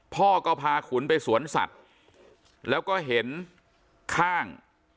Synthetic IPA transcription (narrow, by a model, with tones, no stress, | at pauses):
pʰɔː˥˩kɔː˥˩pʰaː˧kʰu˩˦npa˧jsu˩˦ənsa̰˨˩t̪̚ | lɛː˦˥wkɔː˥˩ɦe˩˦n | kʰaː˥˩ŋ